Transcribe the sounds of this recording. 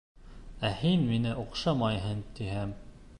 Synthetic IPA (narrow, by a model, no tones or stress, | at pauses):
æhinminɘʔuqʃɑmɑjɦɤnt̪iɦæm